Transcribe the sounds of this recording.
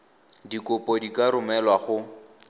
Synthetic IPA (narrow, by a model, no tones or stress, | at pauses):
dikʼʊpʼɔdikʼaɾʊmɛlwaχʊ